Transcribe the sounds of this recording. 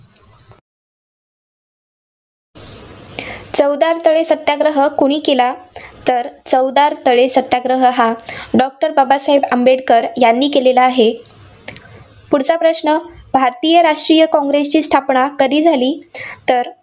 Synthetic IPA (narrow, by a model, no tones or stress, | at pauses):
t͡səwd̪aɾt̪əɭesət̪ːjaɡɾəɦəkoɽ̃iːkelat̪əɾt͡səwd̪aɾt̪əɭesət̪jaɡɾəɦəɦaɖɔk̚ʈəɾbabasaɦebəmbeɽkəɾjanːiːkelelaːɦe | puɽt͡sapɾəsɳəbʱaɾt̪ijəɾaʂʈɾijəkɔ̃ŋɡɾest͡ɕiːst̪ʰapɳakəɾiːd͡zʱaliːt̪əɾ